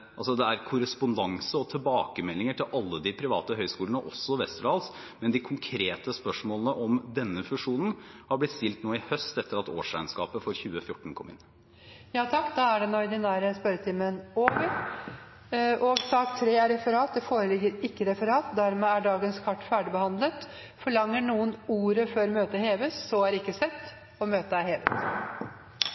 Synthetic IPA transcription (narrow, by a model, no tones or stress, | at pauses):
ʔɑlsɔd̪ɛæɾkʰʊɾəspʊnd̪ɑŋsəɔt̪ʰɪlbɑːkəmɛlːɪŋəʈʰɪlʔɑlːəd̪ɪpʰɾɪʋɑ̰ːt̪əɦœʏskuːləɳəʔɔsːɔʋɛst̪ɾɑːls | mɛnd̪ɪkʰʊŋkʰɾeːt̪əspœʂmoːlənəʔɔmd̪ɛnːəfʉʂuːnən̩hɑɾblɪt̪ːst̪ɪlt̪noːɪhœst̪ɛt̪ːəɾɑt̪o̰ːʂæɪənskɑ̰ːpəfɔɾçʉːəfjʊʈːɳ̩kʰɔmːɪ̰nː | jɑːt̪ʰɑkːd̪ɑæɖɛnɔɾd̪ɪnæːɾəspœɾət̪ʰɪmənoːʋəɾ | ʔɔɡsɑkt̪ʰɾeːæɾɛfəɾɑːt̪̚d̪ɛfoːɾəlɪɡːəɾɪkːəɾɛfəɾɑːt̪d̪æɾmɛːæɖɑːɡənskʰɑʈːfæːɖɪbəhɑnd̪lət̪ | fɔɭɑŋːəɳuːənuːɾəføːɾmøːt̪əheːʋəsːɔæɾɪkːəsɛt̪ː | ɔmøːt̪əæheːʋəs